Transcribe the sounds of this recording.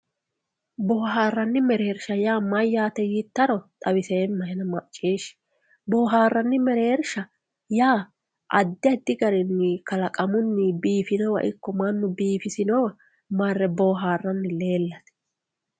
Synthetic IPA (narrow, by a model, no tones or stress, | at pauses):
boːɦaːrːɐnːɪmɛɾeːɾʃɐjaːmɐjːaːt̪ɛjɪt̪ːɐɾɔt̪ʼɐwɪseːnmɐhɛnɐmɐʔt͡ʃʼːiːʃ | bɔːɦaːrːɐnːɪmɛɾeːɾʃɐ | jaː | ʔɐd̪ːɪɐd̪ːɪɡɐɾɪnːɪkɐlɐkʼɐmʊnːɪbiːfɪnɔwɐ̰ʔɪ̰kːɔmɐnːʊbiːfɪsɪnɔwɐ | mɐrːɛboːɦaːrːɐnːɪle̞ːlːɐt̪ɛ̥